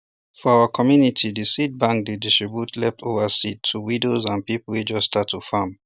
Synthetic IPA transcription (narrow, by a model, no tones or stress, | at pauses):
fɔaakʰɔmjunitʰidisit̚bãŋk̚didistɹibutlɛftʰovəsitʰːuwidozãnpipulwed͡ʒɔstːstatʰːufam